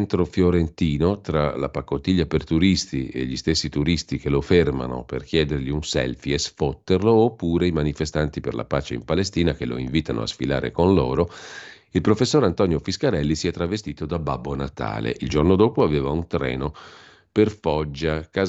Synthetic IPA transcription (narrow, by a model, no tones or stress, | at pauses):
nt̪ɾofjoɾent̪iːnot̪ɾalapakːot̪ːiʎːapert̪uɾist̪iḛʎist̪esːit̪uɾist̪ikeloferma̰no̰perk̟jɛːd̪erʎiunsɛ̰lfiesfot̪ːerloːpːuːɾeimanifest̪ant̪iperlʔa̰paːt͡ʃeḭmpalest̪iːnakelo̰iɱviːt̪ano̰a̰sfila̰ːɾḛkonloːɾo | ilpɾofesːoːɾant̪ɔnjofiskaɾɛlːisiɛt̪ːɾavest̪iːt̪od̪ababːonat̪a̰ːlḛʔild͡ʒornod̪oːpoaveːvaunt̪ɾɛ̰ːno | perfɔd͡ʒːakaː